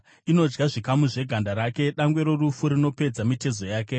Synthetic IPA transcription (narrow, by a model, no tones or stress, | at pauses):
ino̞d͡ʒɡaʐikamuʐe̞ɡʱandaɾaːke̞ɗaŋɡwe̞ɾo̞rufuɾino̞pe̞d͡zamite̞zo̞jaːke̞